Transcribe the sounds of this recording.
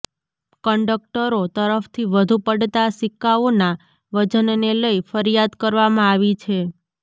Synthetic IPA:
kəɳɖək̚ʈəɾot̪əɾəft̪ʰiʋəd̪ʱupəɽt̪asɪkːaona | ʋəd͡ʒənneləifəɾijad̪kəɾʋamãaʋit͡ʃʰe

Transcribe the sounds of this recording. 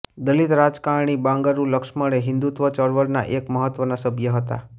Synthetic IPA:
d̪əlit̪ɾad͡ʒkaɳ̃ibãŋɡəɾũləkʃməɭeɦɪ̃nd̪ut̪ʋət͡ʃəɽʋəɾna̰ʔekməɦət̪ʋənasəbʱjəɦət̪a̰

